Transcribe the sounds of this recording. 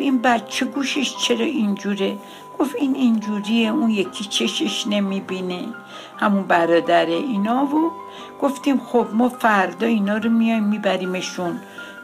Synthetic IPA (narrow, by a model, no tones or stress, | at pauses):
inbæt̪t͡ʃʰeɡuːʃeʃt͡ʃʰe̞ɾɒːind͡ʒuːɾe | ɡ̥o̞finind͡ʒuːɾieunjekʰit͡ʃʰeʃeʃne̞mibine | hæmunbæɾɒːd̪æɾeinɒːvo | ɡ̥o̞ft̪imxobmɒfæɾd̪ɒːinɒːɾomijɒjmːibæɾiːme̞ʃun